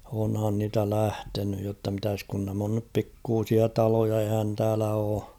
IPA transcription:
onhɑn niːtæ læhtenyj jotːɑ mitæs kun næm on nyp pikːuːsiɑ tɑlojɑ ehæn tæːlæ oː

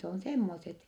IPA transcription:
on semːoset

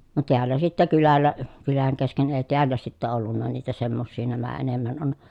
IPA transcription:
no teælːæ sitːæ kylælːæ kylæŋ kesken eˑi̯ teælːæ sitːæ olːunːɑ niːtæ semːosːiː næmæ enemːæn on

